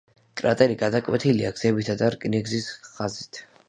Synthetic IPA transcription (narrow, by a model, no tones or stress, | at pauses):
kʼɾat̪ʼɛɾiɡad̪akʼwɛt̪ʰiliaɡz̥ɛbit̪ʰad̪aɾkʼniɡzisχazit̪ʰ